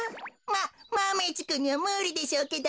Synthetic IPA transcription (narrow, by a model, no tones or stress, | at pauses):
mamamet͡ɕi̥kɯɲ̟ːiβamɯːɾʲid̪e̞ɕoːked̪o